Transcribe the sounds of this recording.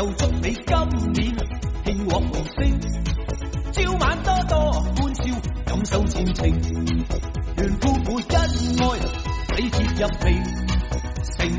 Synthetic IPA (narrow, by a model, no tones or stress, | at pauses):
ɐwt͡sʊk̚nejkɐmːiːnhɪŋwɔːk̚mosɪŋ | t͡siːwmaːnt̪ɔːt̪ɔːkuːnsiːwkɐmsɐwt͡sʰiːnt͡sʰɪŋ | lyːnkuːmuːtkɐn̚ŋɔːj | wɐjhʰip̚jɐp̚hej | sɪŋ